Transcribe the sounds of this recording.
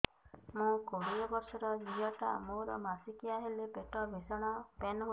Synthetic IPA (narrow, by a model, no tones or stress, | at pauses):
mũkoɽiɔbɔɾsɔɾɔd͡ʒiɦɔʈa̰moɾɔ̰masikiaɦelebeʈɔbʱesɔɽ̃ɔpenɦu